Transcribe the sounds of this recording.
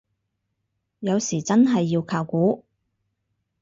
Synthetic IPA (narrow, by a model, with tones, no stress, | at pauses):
jɐ˨˧wsiː˨˩t͡sɐ˥nɦɐ˨jːiː˧wkʰaː˧wkuː˨˥